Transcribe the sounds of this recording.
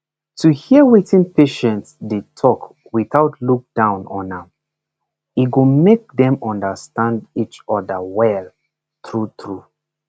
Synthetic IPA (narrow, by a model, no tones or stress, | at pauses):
tʰuhiəwitĩnpeʃɛ̃ntsdetʰɔk | wiθaʊtluk̚d̥ãʊ̃nɔ̰na | iɡomek̚dɛ̃mɔ̃ndəstãndit͡ʃɔdəwɛl | tɹutɹu